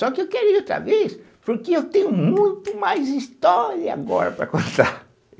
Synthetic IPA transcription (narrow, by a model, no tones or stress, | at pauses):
sɔkɪewkɛɾʊowt̪ɾɐ̰ves | puɾkɪewt̪ẽɲʊmũj̃t̪umajziʃt̪ɔɾiɐa̰ɣɔ̰ɾɐ̰pɾɐ̰kõnt̪aɾ